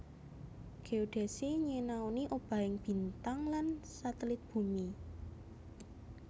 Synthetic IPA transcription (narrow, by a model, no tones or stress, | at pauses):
ɡ̥eoɖ̪̥e̤siɲenaoniʔob̥ä̤ɪŋb̥i̤nt̪aŋlansat̪əlɪt̪̚b̥ṳmi